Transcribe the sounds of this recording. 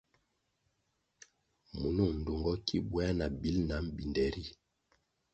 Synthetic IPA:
mu˨nu˦˨n̩˨du˨ŋɡɔ˦kḭ˦bwa˦na˨bi˨˦lna˨˦m̩˦bi˨ndɛ˨ɾi˦˨

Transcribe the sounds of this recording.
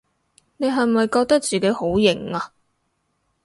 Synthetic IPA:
ne˨˧jɦɐ˨jmɐ˨jkɔː˧k̚t̪ɐ˥k̚t͡siː˨ke˨˥jho˨˥wjɪ˨˩ŋa˧

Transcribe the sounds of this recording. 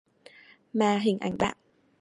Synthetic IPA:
maː˨˩ɦï˨˩ŋ̟ʔa̰˧˩jŋɓ̪a̰ː˧˨

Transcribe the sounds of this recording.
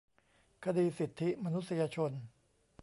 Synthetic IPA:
kʰa˧diː˧si˨˩t̪ʰːi˦˥ma˧nu˦t̪̚sa˧jaː˧t͡ɕʰo˧n

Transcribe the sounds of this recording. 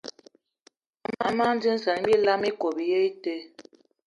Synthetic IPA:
ma˦ma˦n̩˦d͡ʒi˦n̩˦sa˨n˦bi˦˨la˦mi˦ko˨bi˨je˦i˦te˦

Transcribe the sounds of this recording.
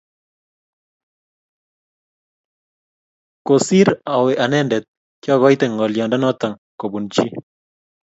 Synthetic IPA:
ko˨si˦ɾa˨we˨ʔa˨nɛ˦ndɛ˨t̪̚ | kjɔ˦ɣɔ˦jt̪e˨ŋɔ˨ljɔ˨nda˦nɔ˦t̪a˨ŋko˨bu˨nt͡ʃi˦

